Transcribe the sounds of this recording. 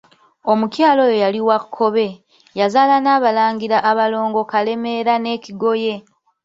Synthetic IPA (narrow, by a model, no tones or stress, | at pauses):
o̞mucjaːlo̞jojaliwakʰːo̞βe̞ | jazaːlanaːβalaːŋɡiɾaʔːβalo̞ːŋɡo̞kale̞me̞ɾane̞ːciɡo̞je̞